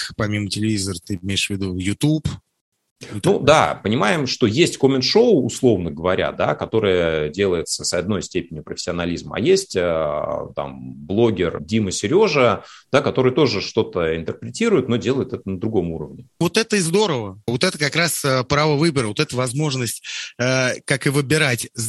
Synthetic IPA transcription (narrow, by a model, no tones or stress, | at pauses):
pɐmʲimətʲɪlʲɪvʲizərt̪ɨmʲejɪʂvʲɪd̪ujʊt̪up | nud̪a̰pənʲɪmajɪmʂt̪o̞jesʲtʲkomʲɪnʂo̞wːslˠo̞vnəɡəvɐɾʲa̰d̪a̰kɐt̪o̞ɾɨjədʲe̞lˠəjɪt̪səsɐd̪no̞jsʲtʲepʲɪnʲɪpɾəfʲɪ̥sʲɪɐnɐlʲizmɐ̰jesʲtʲət̪a̰mblˠo̞ɡʲɪrdʲiməsʲɪɾʲo̞ʐəd̪̥akɐt̪o̞ɾɨjt̪o̞ʐɨʂt̪o̞t̪əɪnt̪ərpɾʲɪtʲiɾʊɪt̪no̞dʲe̞lˠəjɪt̪ɛt̪ənəd̪ɾʊɡo̞muɾəvnʲɪvo̞t̪ɛt̪əɪzd̪o̞ɾəvəvo̞t̪ɛt̪əkɐkɾasəpɾavəvɨbəɾəvot̪ɛt̪əvɐzmo̞ʐnəsʲtʲː | kakɨvɨbʲɪɾatʲz